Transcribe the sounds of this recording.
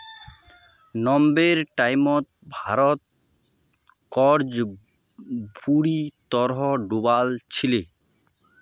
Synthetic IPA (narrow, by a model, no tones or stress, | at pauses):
nɔmbeɾʈajmɔt̪̚bʱaɾɔt̪̚ | kɔɾd͡ʑ | buɽit̪ɔɾɦɔɖubalt͡ɕʰile